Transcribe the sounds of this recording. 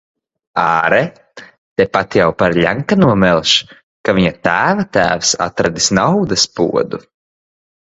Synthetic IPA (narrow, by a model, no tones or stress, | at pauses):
aːɾɛ | t̪ɛpat̪jawpaɾʎʲaŋkanuɔmɛlˠʃ | kaviɲat̪æːvat̪æ̰ːfsa̰t̪ɾad̪isnawd̪ɐspṵɔd̪u